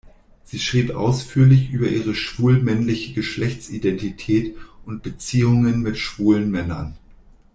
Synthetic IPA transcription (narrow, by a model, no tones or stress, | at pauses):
z̥iːʃʁ̥iːpʔa̰ʊsfyːɐlɪçʔyːbɐʔiːʁəʃv̥uːlmɛnlɪçəɡəʃlɛçt͡sḭdɛntitʰɛːtʔʊnt̚b̥ət͡siːʊŋənmɪtʃv̥uːlənmɛnɐ̰n